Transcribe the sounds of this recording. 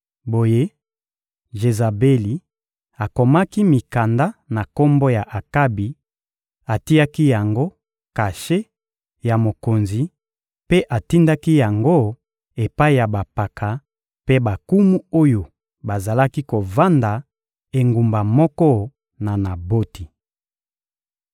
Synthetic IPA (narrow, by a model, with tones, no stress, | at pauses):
bo˨je˦ | ʒe˨za˨be˦li˨ | a˨ko˨ma˦ki˦mi˨ka˨nda˦na˨ko˦mbo˦ja˨ʔa˨ka˦bi˨ | a˨ti˦ja˦ki˦ja˨ŋɡo˦ | ka˨ʃe˦ | ja˨mo˨ko˨nzi˨ | pe˦ʔa˨ti˦nda˦ki˦ja˨ŋɡo˦ | e˨pa˦i˦ja˨ba˨pa˨kʰa˨ | pe˦ba˨ku˦mu˦o˦jo˨ | ba˨za˨la˦ki˦ko˨va˦nda˨ | e˨ŋɡu˨mba˨mɔ˦kɔ˦ | na˨na˨bo˦ti˨